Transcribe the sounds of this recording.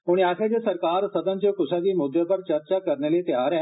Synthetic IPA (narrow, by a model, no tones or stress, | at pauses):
ʊɳ̃aːkʰed͡ʒesɐɾkaːɾsɐd̪ə̃nt͡ʃekʊʃãːd̪iːmʊd̪ːepɐɾt͡ʃɐɾt͡ʃaːkɐɾneːleːt̪ɪjaːɾɛ̃ː